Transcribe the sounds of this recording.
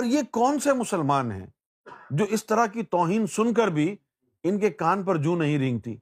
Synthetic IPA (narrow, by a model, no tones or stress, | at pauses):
ɔːɾjekɔːnsemʊsəlmaːnɦɛ̰̃ː | d͡ʒoːɪst̪ɐɾakit̪ɔːɦiːnsʊnk̬əɾbʱi | ɪnkekaːnpɐɾd͡ʒũːnɐɦĩɾĩːŋɡ̚t̪ḭː